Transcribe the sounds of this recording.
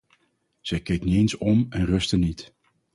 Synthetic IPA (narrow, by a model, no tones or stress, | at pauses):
z̥ɛjkejkənyejnsɔmɛnrɵstənːit